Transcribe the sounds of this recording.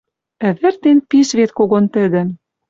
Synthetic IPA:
ɘ̆βɘ̆rt̪enpiʃβet̪koɣont̪ɘ̆d̪ɘ̆

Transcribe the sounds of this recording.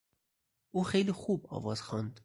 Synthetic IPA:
uxejlixub̚ɒ̰vɒz̥xɑnd̪

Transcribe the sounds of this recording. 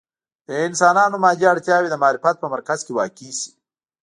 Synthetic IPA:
d̪̥əɪnsɑːnɑːnomɑːd͡ʒiaɽt̪jɑwed̪əmɑːɾɪfat̪̚pəmaɾkaz̥kewɑkisi̥

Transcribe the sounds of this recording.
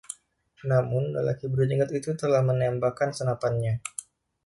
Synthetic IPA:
namʊnda̰lakibəɾuɲəŋɡət̪it̪ut̪əlahmənɛmbakansənapanɲa

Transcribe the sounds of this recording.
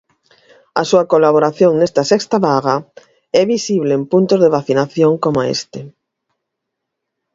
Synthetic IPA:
a̰suɐkolaβoɾaθjoŋnest̪ɐsɛkst̪aβaɣa | ɛβisiβleːmpunt̪ozðeβaθinaθjoŋkomaḛst̪e

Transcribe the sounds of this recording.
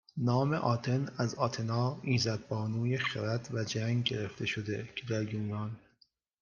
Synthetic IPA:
nɒːme̞ʔɒːt̪ʰe̞næzɒːt̪ʰenɒːiːzæd̪̚bɒːnuːjexeɾæt̪ʰvæd͡ʒæŋɟe̞ɾeft̪e̞ʃod̪ecʰed̪æɾjuːnɒːn

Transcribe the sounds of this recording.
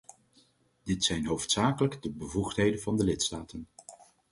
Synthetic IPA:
d̥ɪtsɛjnɦowftsaːkələɡdəbəvuχtɦejdənvɑndəlɪtstaːtən

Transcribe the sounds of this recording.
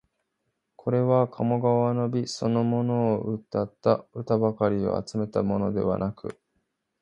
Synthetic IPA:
kʰo̞ɾe̞βakʰamo̞ɡaβano̞bʲiso̞no̞mo̞no̞ːʔɯt̪ːat̪ːaɯ̟t̪abakaɾʲio̞̰a̰t͡sɨme̞t̪amo̞no̞d̪e̞βa̰nakɯ̟̰

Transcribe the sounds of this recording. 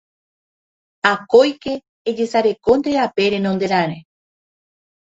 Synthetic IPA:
akojke̞ː | d͡ʒe̞saɾe̞kond̪eɾape̞ɾẽ̞nõnd̪e̞ɾaɾe

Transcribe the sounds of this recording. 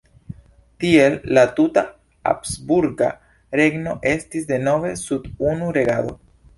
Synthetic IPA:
t̪ielːat̪ut̪a | a̰psbuɾɡa̰ | ɾe̞ɡno̞ʔe̞stisd̪e̞no̞ve̞sudunuɾe̞ɡado̞̰

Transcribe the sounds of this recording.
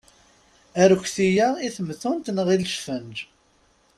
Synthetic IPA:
æɾkʷːθijaiθəmθʊnt̪nəʁilʃfənd͡ʒ

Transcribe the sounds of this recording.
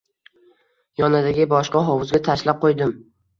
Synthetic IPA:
jɒnad̪aɡʲɪbɒʃqɑɦɒwʊzɡʲat̪ʰaʃlap̚qʰojd̪ɪm

